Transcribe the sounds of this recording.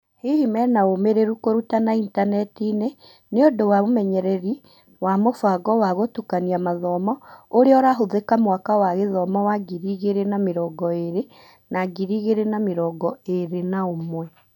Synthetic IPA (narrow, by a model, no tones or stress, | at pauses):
hihimɛnaomeɾeɾukoɾutanaintanɛtine | neodowaomɛɲɛɾɛɾi | wamofaɡɔwaɣotukaniamaðɔmɔoɾeɔɾaɦoðekamwakawaɣeðɔmɔwaɡiɾiɣeɾenameɾɔːɡɔeɾe | naɡiɾiɣeɾenameɾɔːɡɔeɾenaomwɛ